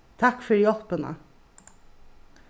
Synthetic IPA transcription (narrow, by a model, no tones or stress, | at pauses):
t̪ʰɑkfœɾjɔpənə̰